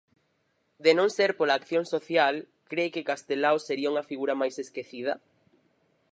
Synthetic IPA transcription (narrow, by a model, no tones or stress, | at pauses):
d̪enõŋseɾpolaːkθjõŋsoθjal | kɾekekast̪elawseɾiauŋɐfiɣuɾɐmajseskeθiðɐ̰